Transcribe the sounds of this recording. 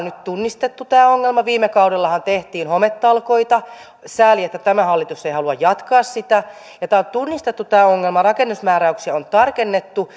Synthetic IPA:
nnyt̪t̪unːist̪et̪ːut̪æːoŋːelmɑʋiːmːekɑuɾelːɑhɑnt̪eht̪iːnhomet̪ːɑlkoit̪ɑ | sæːliet̪ːæt̪æmæhɑlːit̪useihɑluɑjjɑt̪kɑːssit̪æ | jɑt̪æːont̪unːist̪et̪ːut̪æːoŋːelmɑrɑkenːusmæːɾæyksiæont̪ɑrkenːet̪ːu

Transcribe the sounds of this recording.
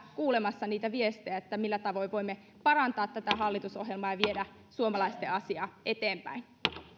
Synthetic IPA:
kuːlemɑsːɑniːt̪æʋiest̪ejæet̪ːæmilːæt̪ɑʋo̞iʋoimːe | pɑrɑnt̪ɑːt̪t̪æt̪æɦɑlːit̪usoɦjelmɑːjɑʋiedæ | suomɑlɑist̪eɑsiɑːʔet̪eːmpæ̰in

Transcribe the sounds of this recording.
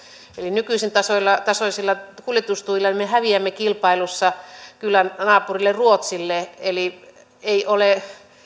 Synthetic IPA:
elinykyˑisent̪ɑsolːɑt̪ɑsoisilːɑkuljet̪ust̪uʋilːɑimehæʋiæmːekilpɑilusːɑkylːænnɑːpurilːeruot̪silːeeli | eiʔole

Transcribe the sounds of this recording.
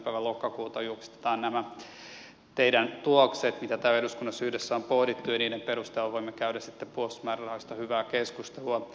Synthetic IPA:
pæiʋælokːɑkuːt̪ɑjuksi̥t̪e̥t̪ɑːnnæmæ | t̪eidænt̪uokset̪mit̪æt̪æːeɾuskunːɑsyhdesːæompohdit̪ːujɑniːdempeɾust̪elːɑʋoimːekæydæsit̪ːepuosmærrɑhoist̪ɑhyʋæːkeskust̪eluɑ

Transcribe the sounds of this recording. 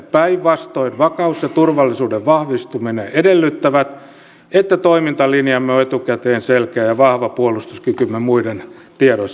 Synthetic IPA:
pæiʋʋɑst̪oinʋɑkɑusjɑt̪urʋɑlːisuːdeʋʋɑhʋist̪umineʔedelːyt̪ːæʋæt̪ | et̪ːæt̪oimint̪ɑlinjɑmːeoet̪ukæt̪eːnselkæːjɑʋɑhʋɑpuolust̪uskykymːemuiden | t̪iɑɾois

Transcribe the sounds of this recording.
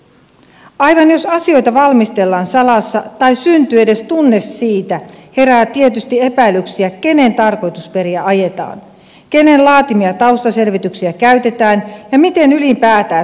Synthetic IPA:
ɑjʋɑnjo̞sɑsio̞jt̪ɑʋɑlmist̪e̞lːɑːnsɑlɑsːɑt̪ɑjsynt̪yːe̞de̞st̪unːe̞sːiːt̪æhe̞ɾæːt̪ie̞t̪yst̪ie̞pæilːyksiæke̞ne̞nt̪ɑrko̞jt̪uspe̞ɾiæʔɑje̞t̪ɑ̰ːn | ke̞ne̞nlɑːt̪imiɑt̪ɑwst̪ɑse̞lʋit̪yksiækæɥt̪e̞t̪æːnjɑmit̪e̞nylimpæːt̪æː

